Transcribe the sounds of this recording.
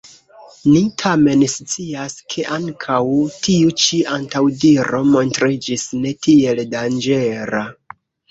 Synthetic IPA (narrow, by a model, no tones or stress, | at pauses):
nitʰame̞nst͡siaskʰe̞ʔaŋkʰawtʰiut͡ʃiantawdiɾo̞mo̞ntɾid͡ʒisne̞tie̞ldand͡ʒe̞ɾa